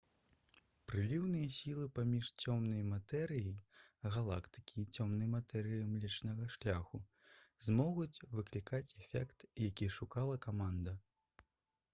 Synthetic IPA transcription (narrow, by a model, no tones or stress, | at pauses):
pɾɨlʲiwnɨjɐsʲilˠɨpamʲiʂt͡sʲɔmnɐjmat̪ɛɾɨjiɣalˠa̰kt̪ɨ̥kʲʰiːt͡sʲɔmnɐjmat̪ɛɾɨjimlʲɛt͡ʂnɐɣɐʂlʲaxu | zmɔɣut͡sʲvɨklʲikat͡sʲɛfʲɛ̰kt̪jakʲiʂukalˠɐkamand̪ɐ